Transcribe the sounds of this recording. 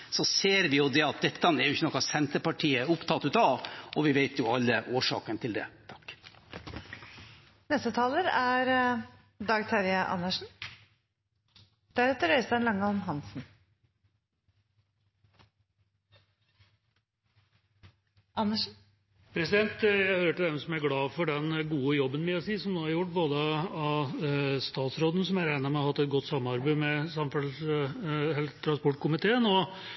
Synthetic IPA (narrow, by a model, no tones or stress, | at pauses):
sɔseːɾʋɪjʊd̪ɛɑt̪̚d̪ɛt̪ːəɑnɛɾjʊɪçːənɔkːɑʋsɛnt̪əɾpɑʈʰiːəʊpt̪ʰɑt̪ːʉt̪ɑːʔɔʋɪʋeɪt̪ʰjʊɑlːəʔoːʂɑ̰ːkənt̪ʰɪld̪ɛ̰t̪ʰɑ̥kː | nɛst̪ət̪ʰɑːləɾæɾ | d̪ɑːɡt̪ʰɑɾɪəʔɑ̰nːəʂn̩ | d̪̥æɾɛt̪ːəɾœʏst̪ɑnlɑŋːəɔmɦɑnsn | ʔɑnːəʂn̩ | pʰɾɛsɪd̪ɛnt̪jæɪhøːɾəʈɪld̪ɛmsɔmæɾɡɽɑːfɔɖɛnɡuːəjɔbːənmɪɑsiːsɔmnoːhɑɾjʊʈːboːd̪əɑ | st̪ɑːt̪sɾoːd̪ən̩sɔmæɾæɪnɑmɛɔhɑt̪ːɛt̪̚ɡɔt̪ːsɑmːəɑɾbæɪmɛsɑmfœls | hɛlt̪ʰɾɑnspɔʈːkʰʊmɪt̪ʰeːənɔ